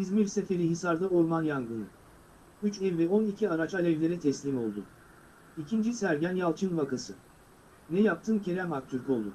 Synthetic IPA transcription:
izmiɾse̞fe̞ɾiɦisaɾd̪aoɾmanjanɡɯnɯ̰ | yt͡ʃɛvvɛo̞nicʰiaɾat͡ʃalʲɛvlʲe̞ɾɛt̪ʰɛslʲimo̞lˠd̪ʊ̰ | icʰind͡ʒisæɾɟænjalˠt͡ʃʰɯnvakasɯ | nɛjap̚t̪ʰɯːncʰe̞ɾæmak̚t̪ʰyɾcʰʲo̞lˠd̪ʊ

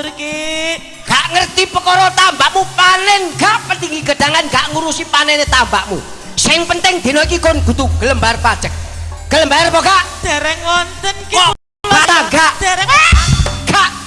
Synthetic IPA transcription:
ki | ɡ̥aʔŋərt̪ipəkɔɾɔt̪ambaʔmupanɛnɡaʔpənd̪iŋiɡə̤ɖ̥aŋanɡaʔŋuɾusipanɛnet̪ambaʔmṵ | saɪŋpənt̪ɛŋd̪̥enɔikikonɡ̥ut̪uɡ̥ələmbajrpad̥d͡ʒ̥ək̚ɡ̥ələmbajərpɔɡaʔd̥eɾɛŋwɔnt̪ənk | at̪aɡaʔdɛw | ɡ̥aʔ

